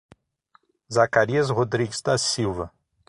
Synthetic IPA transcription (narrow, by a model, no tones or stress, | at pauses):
zakaɾiɐzhod̪ɾiɡɪzd̪ɐsiwvɐ